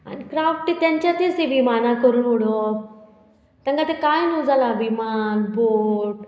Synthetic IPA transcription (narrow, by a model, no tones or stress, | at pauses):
a̰nkɾaːfʈːit̪ɐ̃nt͡ɕat̪esiʋimaːnakəɾunuɽo | t̪ɐ̃ŋɡat̪ekaːĩnuzalaʋimanboːʈ̚